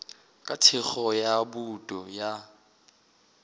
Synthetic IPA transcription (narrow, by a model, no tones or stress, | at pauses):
kʼatʰɪk͡xɔjabutʼɔja